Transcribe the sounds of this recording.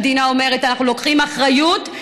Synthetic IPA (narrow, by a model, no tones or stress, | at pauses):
d̪inao̞me̞ʁetanaχnulo̞kχimaχʁajut